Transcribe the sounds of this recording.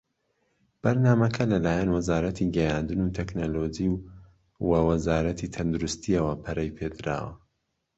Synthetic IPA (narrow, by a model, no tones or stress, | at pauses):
b̥ɐɾnaːmɐkʰɐlɐlaːjɛnwɐzaːɾɐt̪ʰiɡɐjaːnd̪ɨnuːt̪ʰeknoloːd͡ʒiw | wɐwɐzaːɾɐt̪ʰit̪ʰɐnd̪uɾust̪iɐwɐpʰɐɾʔɐjpʰed̪ɨɾa̰ːwɐ̰